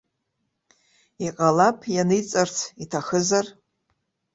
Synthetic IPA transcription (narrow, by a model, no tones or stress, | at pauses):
iqʼalapʰjanɨjt͡sʼart͡sʰitʰaχəzar